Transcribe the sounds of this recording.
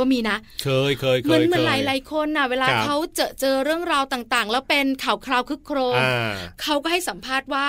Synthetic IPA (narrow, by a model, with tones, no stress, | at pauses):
ɔː˥˩miː˧na˦˥ʔkʰɤː˧jkʰɤː˧jmʰaː˧nmɯ˧nɾa˨˩˦jla˨˦jkʰo˧˥nːa˧˩weː˧laː˧kʰa˦˥wt͡ɕaː˨˩t͡ɕɤː˧ɾɯ˥˩əŋɾaː˧wt̪aː˨˩ŋt̪aː˨˩ŋlɛ˦˥wpe˧nkʰaː˨˩˦wkʰɾaː˧wkʰɯ˦˥kʰːɾoː˧am˧kʰa˦˥wkɔː˥˩ha˥˩jsa˩˦mpʰaː˥˩t̪̚waː˥˩